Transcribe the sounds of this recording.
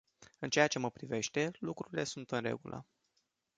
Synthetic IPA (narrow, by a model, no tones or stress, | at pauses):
ɨnt͡ʃejat͡ʃe̞məpɾive̞ʃt̪e̞lukɾuɾile̞sunt̪ɨnre̞̰ɡulʔə̰